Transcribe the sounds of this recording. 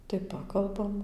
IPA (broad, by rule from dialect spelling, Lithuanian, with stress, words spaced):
tɐɪ ˈpɑːkɐlˠbɐm